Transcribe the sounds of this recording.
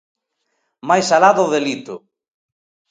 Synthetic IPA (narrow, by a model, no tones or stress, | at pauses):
majsalaðʊðelit̪ʊ